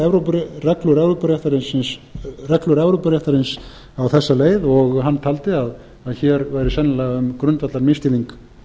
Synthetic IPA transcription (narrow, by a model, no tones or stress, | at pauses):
ɛvɾoprɛklʏɾɛvɾopaɾeht̪aɾɪnsɪnsrɛklʏɾɛvɾowpaɾeht̪aɾɪns | awθɛsːaleːjðɔɣɦanːt̪ʰaːlt̪ɪað | aðçɛːɾvaːjɾɪsɛnːalaɣaʏmkɾʏnt̪vat̪laɾmɪst̪ɪliŋk